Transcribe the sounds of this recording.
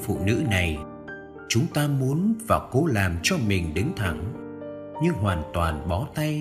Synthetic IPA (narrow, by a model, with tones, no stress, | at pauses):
fṵ˧˨nɨ̰˧˥na˨˩j | t͡ɕʊ˨˦ŋ͡mt̪aː˧mu˨˦ənvaː˨˩ko˨˦laː˨˩mt͡ɕɔ˧mï˨˩ŋ̟ɗɨ˨˦ŋt̪ʰa˧˩ŋ | ɲɨ˧ŋɦwaː˨˩nt̪waː˨˩nɓɔ˨˦t̪a˧j